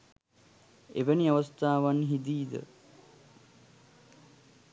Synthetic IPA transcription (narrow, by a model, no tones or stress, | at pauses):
ḛʋəniaʋɐst̪aːʋanɦid̪iːd̪ə̰